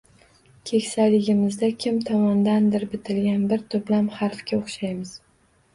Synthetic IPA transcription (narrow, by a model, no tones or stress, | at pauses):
kʲʰe̞kʲsajlɪɡʲɪmɪzd̪akʲʰɪmt̪ʰɒmɒnd̪and̪ɪɾbɪt̪ʰɪlɡʲanbɪɾt̪ʰʊblamhaɾfkʲaoχʃajmɪz̥